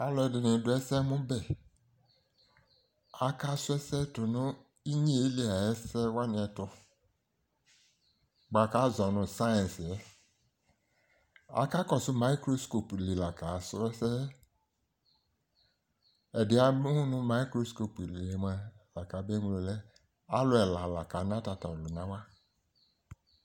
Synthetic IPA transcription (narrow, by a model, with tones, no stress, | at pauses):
a˦lɔ˨˦ɛ˨dɪ˨nɪ̃˨˦dʊ˨ɛ˦sɛ˦mʊ̃˦bɛ˨ | a˨˦ka˦sʊ˦ɛ˦sɛ˦tʊ˨nʊ̃˦ | i˦ɲi˦˨e˦li˦a˨ɛ˦sɛ˦wa˦nɪ̃˨ɛ˨tʊ˦ | ɡ͡ba˨ka˦zɔ˨nʊ̃˨sa˦ɛ̃˨n˨sɛ˦ | a̰˨ka˦kɔ˨sʊ˦ma˦i˦kɾo˦sko˨ple˨la˨ka˨sʊ˦ɛ˦sɛ˦ | ɛ˨dɪ˨˦a˨bhu˦nʊ˦ma˦i˦kɾo˦sko˨pi˨le˨le˨m˦a˦la˨ka˨˦be˦ŋu˨lo˨lɛ˦ | a˦lʊ˦ɛ˨la˨la˨ka˨˦n˦a˦ta˨ta˨lʊ˨na˦wa˦